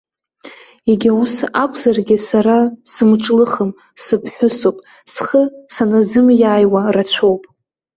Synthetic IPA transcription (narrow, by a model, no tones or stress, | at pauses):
eɡʲausakʷʰʼzarɡʲɪsaɾasɨmʈ͡ʂʼlɨχəm | sɨpʰħʷᶣʊsopʼ | sχəsanazɨmjaːjwarat͡ɕʷʰowpʼ